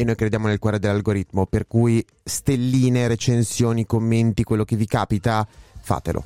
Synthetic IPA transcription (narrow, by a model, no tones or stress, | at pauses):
enːojkɾed̪jaːmonelkwɔːɾed̪elːalɡoɾit̪moperkuːj | st̪elːiːneɾet͡ʃensjoːnikomːent̪ikwelːokevikaːpit̪afa̰ːt̪elʔo̰